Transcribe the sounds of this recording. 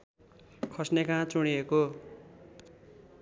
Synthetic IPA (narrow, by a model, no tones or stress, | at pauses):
kʰʌsnekãt͡suɽ̃ieko